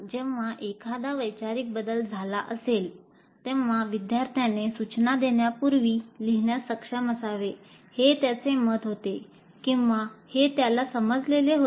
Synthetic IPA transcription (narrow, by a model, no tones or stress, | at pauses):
d͡ʑeʋaʔekʰad̪aʋəjt͡ɕaɾik̚bəd̪əld͡zʱalaʔəsel | t̪ẽʋʋaʋid̪jaɾt̪ʰjanesut͡ɕnad̪eɳjapuɾʋiːliɦɳjasəkʂaməsaʋe | het̪jat͡seməd̪ɦot̪e | kĩw̃ʋahet̪jalasəməd͡zleleɦo